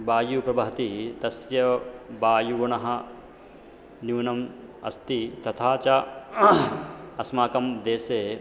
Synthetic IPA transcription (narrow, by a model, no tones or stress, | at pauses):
baːjupɾɐbɐɦɐt̪it̪ɐsjɐbaːjuɡoɳɐɦɐ̆ | njuːnɐm | ɐ̰st̪it̪ɐt̪ʰaːt͡ʃɐ | ɐsmaːkɐmd̪eːseː